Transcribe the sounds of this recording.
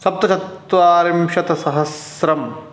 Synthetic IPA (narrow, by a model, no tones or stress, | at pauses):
sɐp̚t̪ɐt͡ʃʰɐt̪ʋaːɾimʃɐt̪ɐsɐɦɐsɾɐm